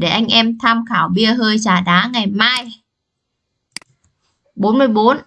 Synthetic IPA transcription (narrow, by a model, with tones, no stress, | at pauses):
ɗe˧˩ʔa˧jŋ̟ʔɛ˧mt̪ʰaː˧mxaː˧˩wɓi˧əɦəː˧jt͡ɕaː˧˩ɗaː˨˦ŋa˨˩jmaː˧j | ɓo˨˦nmɨ˧əjɓo˨˦n